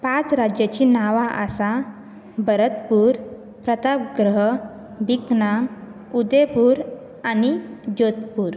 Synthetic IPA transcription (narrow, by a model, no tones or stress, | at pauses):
pãt͡sɾad͡ʑjat͡ɕinaʋaʔəsa | bəɾət̪puːɾ | pɾət̪apɡɾəɦ | bikna | ud̪epuɾ | anid͡ʑot̪puːɾ